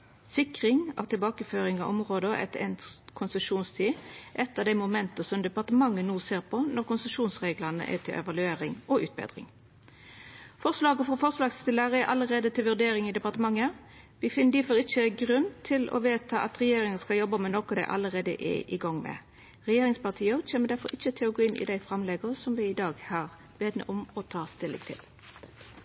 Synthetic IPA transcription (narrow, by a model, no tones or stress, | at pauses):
sɪkʁɪŋɑ̰ʋt̪ʰɪlbɑːkəføːɾɪŋɑʔɔmʁoːd̪əʔɛ̰t̪ɛ̰nkʰʊnsəʂuːnst̪ʰiːʔɛt̪ːɑʋd̪æɪmʊmɛnt̪əsɔmd̪ɛpɑʁt̪əmɑŋːənuːseːʁpʰɔnɔɾkʊnsəʂuːnsʁeːɡlənə̰ʔɛ̰t̪ʰɪ̰ʔɛ̰ʋɑlʉeːɾɪŋɔʔʉ̰ːt̪̚bɛ̰ːd̪ʁɪ̰ŋ | fɔʁʂlɑːɡəfɾɔfɔʁslɑːɡst̪ɪlæʁəɛʔɑlːəʁeːd̪ət̪ʰɪlʋʉɾd̪eːɾɪŋɪd̪ɛpɑʁt̪əmɑŋːə | ʋɪfɪnːəd̪iːfɔɾɪçəɡɾʉnt̪ʰɪlɔ̰ʋeːt̪ʰɑːʔɑt̪ʁɛjeːɾɪŋəskɑljɔbəmɛnɔkɔd̪æɪʔɑ̰lːəʁeːd̪ə̰ʔɛ̰ʔɪ̰ɡɑŋːmɛ̰ | ʁɛjeːɾɪŋspɑʁt̪ʰiːəc͡çeːməd̪æɾfɔɾɪçːət̪ʰɪlɔɡoːɪnʔɪ̰d̪æɪfɾɑmlɛɡəʁsɔmʋɪɪd̪ɑːɡhɑːʁ | beːd̪nə̰ʔɔmɔt̪ʰɑːst̪ɪlːɪ̰kt̪ʰɪ̰l